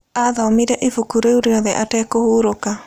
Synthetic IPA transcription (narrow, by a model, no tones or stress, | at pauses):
aðaɔmiɾɛʔefukuɾeuɾeɔðɛʔatɛːkohuːɾoka